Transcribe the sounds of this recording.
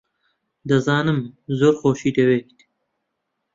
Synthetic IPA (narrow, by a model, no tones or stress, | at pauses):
d̪ɐzɑːnəmzoɾxoːʃid̪eweːkt̪i̥